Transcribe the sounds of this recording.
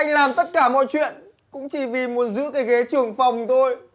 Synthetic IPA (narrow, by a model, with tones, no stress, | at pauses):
ʔa˧jŋ̟laː˨˩mt̪ə˦˥t̚kaː˧˩mɔ̰˧˨jt͡ɕwḭ˧˨ən | kʊ̰˧˥ŋ͡mt͡ɕi˧˩vi˨˩mu˨˦ənzɨ̰˧˥kaː˨˦jɣe˨˦t͡ɕɨ˨˩əŋfa˨˩wŋ͡mt̪o˧j